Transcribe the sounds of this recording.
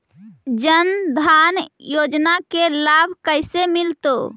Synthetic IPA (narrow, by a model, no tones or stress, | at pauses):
d͡ʒənd̪ʱanjod͡ʒnakelabʱkəjsemilt̪o̰